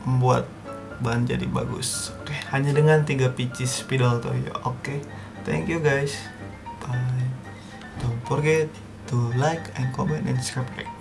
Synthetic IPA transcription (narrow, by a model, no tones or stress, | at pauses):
məmbua̰t̪̚ | band͡ʒa̰dḭba̰ɡʊ̰sokehaɲadəŋant̪iɡapit͡ʃɪspidalt̪o̰ja̰ʔoke | t̪ʰɛ̰ŋkjuɡajs | ba | donfɔrɡɛt̪ | tulajkɛnkomɛ̃ntɛ̰nskɹapɾɛ̰k̚